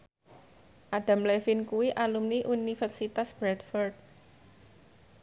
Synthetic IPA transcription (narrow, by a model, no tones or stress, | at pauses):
ʔaɖ̥a̤mlefinkuwiʔalumniʔunifɛrsit̪asb̥ɾɛt̪fɔrd̪̚